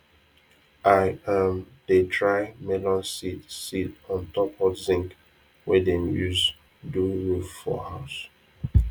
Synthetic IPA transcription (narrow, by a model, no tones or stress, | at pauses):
ʔaɪə̃m | d̥etʰɹaɪmɛlɔ̃nsitsitɔ̃ntɔphɔdzĩŋk | wɛdẽmjuz | duɹuffɔ̰haʊs